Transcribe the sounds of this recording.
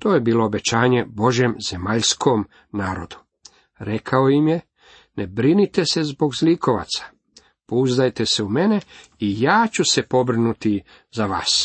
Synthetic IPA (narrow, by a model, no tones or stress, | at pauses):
t̪oːjebiːlˠo̞ːbe̞t͡ɕaːɲe̞bo̞ʒjemze̞maʎskʰo̞m | naːɾo̞̰d̪u̥ | ɾe̞kʰaojimje̞ | nʔebɾinit̪e̞se̞zbo̞ɡzliko̞ʋa̰t̪sḁ | pouzd̪ajt̪ese̞ume̞ne̞ | ijaːt͡ɕuse̞po̞bɾinut̪i | zaʋa̰ːs